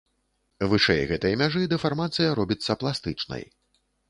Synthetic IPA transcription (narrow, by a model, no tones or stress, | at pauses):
vɨʂɛjɣɛt̪ɨjɐmʲaʐɨd̪ɛfarmat̪sɨjɐɾɔbʲit̪sːɐplˠast̪ɨt͡ʂnɐ̰j